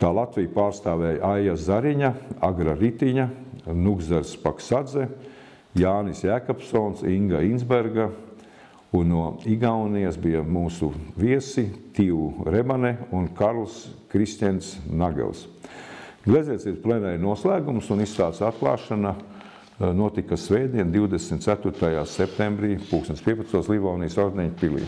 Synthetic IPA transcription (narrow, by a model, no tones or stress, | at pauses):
t̪aːlˠat̪ʋijpaːɾst̪aːʋɛːjʔajazaɾiɲaaɡɾaɾit̪iɲanuɡzaɾspaksad̪zɛ | jaːnisjæːkapsɔːnsiŋɡainzbeɾɡa | unːuɔiɡawniɛsbijamuːsuviɛsit̪iwuɾebanɛunkaɾlˠskɾist̪ʲɛnsnaɡɛ̰lˠs | ɡlʲezɛt̪siɾplenɛjnuɔslˠæːɡumsunist̪aːt̪sat̪̚klˠa̰ːʃana | nuɔt̪ikasʋɛːjd̪iɛnd̪iwd̪esmt̪t̪sæt̪uɾt̪ajaːsept̪embɾiːpuːksɛnspiːɛpat̪st̪uɔslˠivawnijsoɾd̪ɛɲpilḭː